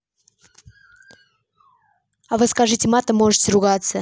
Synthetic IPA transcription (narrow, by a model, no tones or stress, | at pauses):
avɨskaʐɨtʲɪmat̪əmoʐɨtʲɾʊɡat̪sə